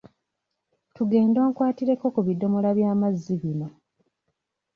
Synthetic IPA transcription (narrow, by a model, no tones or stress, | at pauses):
tuɡe̞ːndo̞ːŋkwaːtiɾe̞kːo̞kuβido̞mo̞laβjaːmazːiβino̞